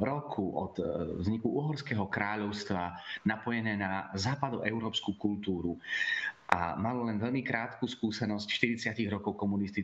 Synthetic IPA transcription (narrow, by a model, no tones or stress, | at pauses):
ɾɔkʰuʔɔ̰t̪ːzɲikuuɦɔɾskɛːɦɔkɾaːʎɔʊst̪ʋanapɔjɛnɛːnazaːpad̪ɔʔɛʊɾɔːpskukult̪uːɾu | ʔa̰malɔlɛnʋɛʎmikɾaːt̪kuːskuːsɛnɔscʃt̪iɾit͡sɪaciɣɾɔkɔʊkɔmunist̪i